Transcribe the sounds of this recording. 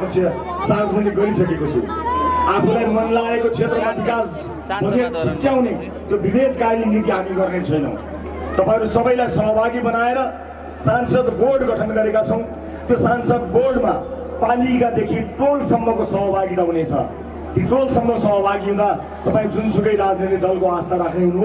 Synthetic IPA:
t͡sʰjʌ | sabɦuneɡʌɾisʌkekot͡sʰṵapʰulajmʌnlaekot͡sʰet̪rʌmabikas | bʱʌd͡zeʈ̪̚t͡sʰukjaw̃ne | t̪jobibʱed̪ʱkaɾinit̪iɦamiɡʌrnet͡sʰʌjnʌ̰ | t̪ʌpãĩʌɾusʌbʌjlajsʌɦbʱaɡibʌnaeɾʌ | sansʌd̪borɖɡʱʌʈʰʌnɡʌɾekat͡sʰʌw̃ | t̪josansʌd̪borɖma | palikad̪ekʰiʈolsʌmːʌkosʌɦbʱaɡit̪aɦunet͡sʰʌ̰ | t̪iʈolsʌmːʌsʌɦbʱaɡiɦũd̪a | t̪ʌpaĩd͡zunsuɡʌjɾad͡znet̪iɖʌlkoast̪aɾakʰneɦunu

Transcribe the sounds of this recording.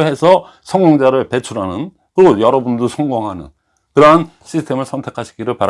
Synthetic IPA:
ɦe̞sʰʌ | sʰʌŋɡoŋd͡ʑaɾɯɭpe̞t͡ɕʰuɾɦanɯn | kɯɾɡojʌɾʌbundosʰʌŋɡoŋɦanɯ̰n | kɯɾʌɦan | ɕ͈ʰistʰe̞mɯɭsʰʌntʰe̞kʰaɕʰi̥ɡiɾɯɭpaɾ

